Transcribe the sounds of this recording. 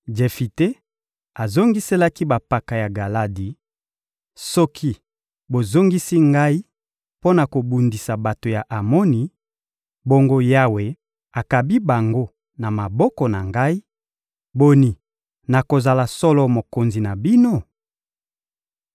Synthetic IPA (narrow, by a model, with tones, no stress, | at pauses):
d͡ʒe˨fi˨te˦ | a˨zo˦ŋɡi˦se˦la˦ki˦ba˨pa˨ka˨ja˨ɡa˨la˦di˨ | sɔ˦kʰi˦ | bo˨zo˦ŋɡi˦si˦ŋɡa˦i˦ | po˦na˨ko˨bu˨ndi˨sa˨ba˨to˨ja˨ʔa˨mɔ˦ni˨ | bo˦ŋɡo˦ja˦we˨ | a˨ka˨bi˦ba˨ŋɡo˦ | na˨ma˨bɔ˦kɔ˨na˨ŋɡa˦i˦ | bo˦ni˨ | na˨ko˨za˨la˨sɔ˦lɔ˦mo˨ko˨nzi˨na˨bi˦no˦˨